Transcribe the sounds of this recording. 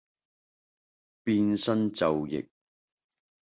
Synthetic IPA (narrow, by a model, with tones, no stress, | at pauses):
piː˧nsɐ˥nt͡sɐ˨wjɪ̰˨k̚